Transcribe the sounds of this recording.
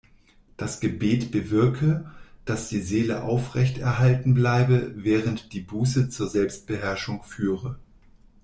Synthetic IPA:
d̥asɡ̥əbeːtb̥əvɪɐkʰəd̥asd̥iːzeːləʔa̰ʊfʁ̥ɛçtɛɐɦaltn̩blaɪbəvɛːʁəntd̥iːbuːsət͡suːɐzɛlpst̚b̥əɦɛɐʃʊŋfyːʁə

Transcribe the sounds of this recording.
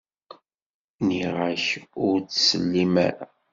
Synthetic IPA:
niʁaçʊɾt͡ssəlːimæ̰ɾa̰

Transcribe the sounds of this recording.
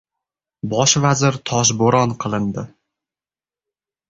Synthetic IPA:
bɒʃvazɪɾt̪ʰɒʃ̬boɾɒnqʰɨlˠɪnd̪ɪ

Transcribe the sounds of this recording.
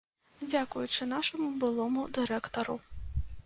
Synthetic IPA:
d͡zʲakujut͡ʂɨnaʂɐmubɨlˠɔmud̪ɨɾɛkt̪ɐɾu

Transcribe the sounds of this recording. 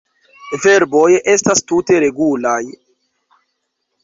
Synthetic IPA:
ve̞ɾbo̞jʔe̞stastute̞ɾe̞ɡulaj

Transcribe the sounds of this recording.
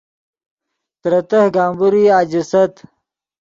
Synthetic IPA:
t̪ɾɐt̪ɐhɡaːmbuɾiad͡ʑisɐt̪

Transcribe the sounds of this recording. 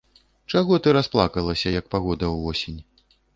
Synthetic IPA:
t͡ʂaɣɔt̪ɨɾasplˠakɐlˠɐsʲɐjɐk̚paɣɔd̪ɐwːɔsʲinʲ

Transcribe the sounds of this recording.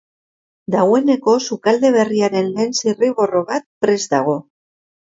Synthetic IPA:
d̪aɣwe̞ne̞ko̞sukald̪e̞β̞e̞riaɾe̞nle̞ːnsiriβo̞ro̞βat̪̚pɾe̞zd̪aɣ̞o̞

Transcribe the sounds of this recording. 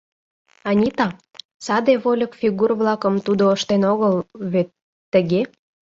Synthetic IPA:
ɑnʲit̪ɑ | sɑd̪eβolʲəkfʲiɣurβlɑkəmt̪ud̪oəʃt̪enoɣəlβet̪ː | əɣe

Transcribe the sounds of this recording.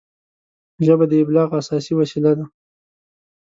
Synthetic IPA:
ʒəbad̪əɪblɑːɣasɑsiwasilad̪a

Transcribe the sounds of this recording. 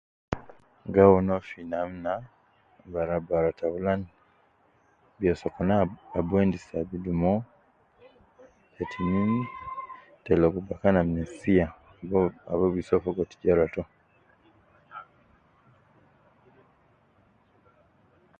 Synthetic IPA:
ɡawonofinam̩na | baɾabaɾataulan | bjɔsɔkɔnaːbwendisabidumɔ | etʰiɲin | tɛlokubakanamnɛsia | aβɔβisɔfɔɡɔti̥ɟaɾatɔ

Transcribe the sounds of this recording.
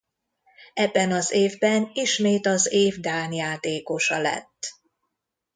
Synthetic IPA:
ɛbːɛnɒzeːvbɛniʃmeːt̪ɒzeːvd̪aːnjaːt̪eːko̞ʃɒlɛ̰t̪ː

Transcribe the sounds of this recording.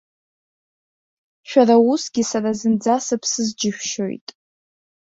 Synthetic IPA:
ʃᶣarausɡʲisaɾazɨnd͡zasɨpʰsɨzd͡ʒɪʃᶣʃo̞̰jtʼ

